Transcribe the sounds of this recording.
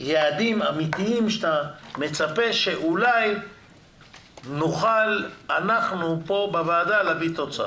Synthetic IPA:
jead̪imamit̪iimʃt̪ame̞t͡sape̞ʃe̞ʔulaj | nuχalanaχnupo̞bavaːdalavit̪o̞t͡sa̰

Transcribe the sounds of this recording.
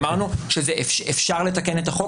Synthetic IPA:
maʁnuʃezeʔefʃefʃaʁle̞t̪ake̞net̪aχo̞

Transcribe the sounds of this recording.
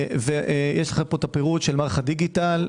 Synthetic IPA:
veʔjʔɛʃleχapot̪apeʁut̪ʃelmaːʁaχad̪iɡital

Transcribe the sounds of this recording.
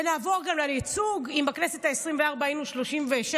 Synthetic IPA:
naːvo̞ʁɡamlalit͡suɡimbaknesetaesʁimveaʁbaimuʃlo̞ʃimveʃ

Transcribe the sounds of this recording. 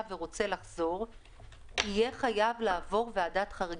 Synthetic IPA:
veʁo̞t͡se̞laχz̥o̞ʁ | ijeχajavlaːvo̞ʁveadatχaʁi

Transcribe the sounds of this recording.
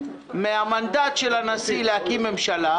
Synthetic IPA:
meamand̪at̪ʃelanasileakimemʃala

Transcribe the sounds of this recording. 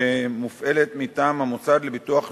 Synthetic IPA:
emufʔe̞let̪mit̪aːmhamut͡sad̪lebituaχ

